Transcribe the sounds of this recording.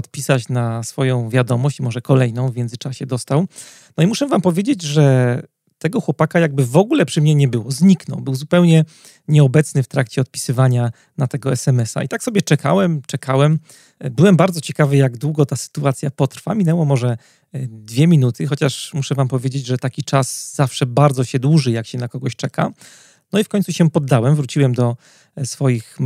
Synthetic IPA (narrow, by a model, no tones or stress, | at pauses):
ɔt̪pʲisat͡ɕnasfɔjɔ̃w̃vʲjad̪ɔmɔɕt͡ɕimɔʐɛkɔlɛjnɔ̃w̃vmʲjɛnd̪zɘt͡ʂaɕɛd̪ɔst̪aw | nɔimuʂɛvampɔvʲjed͡ʑed͡ʑʐɛ | t̪ɛɡɔxwɔpakajaɡ̚bɘvɔɡulɛpʂɘmɲɛɲɛbɘwɔzɲiknɔ̰wbɘwzupɛwɲɛ | ɲɛɔbɛt̪snɘft̪ɾakt͡ɕɛɔt̪̚pʲi̥sɘvaɲa | nat̪ɛɡɔɛsɛmɛsa̰it̪aksɔbʲjɛt͡ʂɛka̰wɛmt͡ʂɛkʰawɛm | bɘwɛmbaɾd̪zɔt͡ɕɛkavɘjaɡd̪wuɡɔt̪asɘ̥t̪uat̪sʲjapɔt̪ɾfa̰mʲinɛwɔmɔʐɛ | d̪vʲjɛmʲinut̪ʰɘxɔt͡ɕaʂmuʂɛvampɔvʲjed͡ʑed͡ʑʐɛt̪akʲit͡ʂasz̥afʂɛbaɾd̪zɔɕɛd̪wuʐɘjakɕɛnakɔɡɔɕt͡ʂɛka̰ | nɔifkɔɲʲt̪suɕɛpɔd̪ːawɛmvɾut͡ɕiwɛmd̪ɔ | sfɔjix